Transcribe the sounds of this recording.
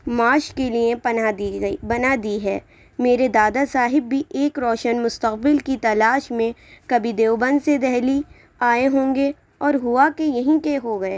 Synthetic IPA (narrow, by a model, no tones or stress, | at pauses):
maːʃkeliẽabɐnad̪iɦɛː | meːɾed̪aːd̪asaːɦɪbːiʔeːkɾɔːʃənmʊst̪əqbɪlkit̪ɐlaːʃmẽkɐbʱid̪eːwbə̃nd̪sed̪ɛɦli | aːeɦõːŋɡe | ɔːɾɦʊakejɐɦĩkeɦoɡɐeː